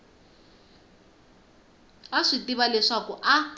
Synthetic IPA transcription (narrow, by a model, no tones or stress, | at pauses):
aʂitiβalɛʂakuʔa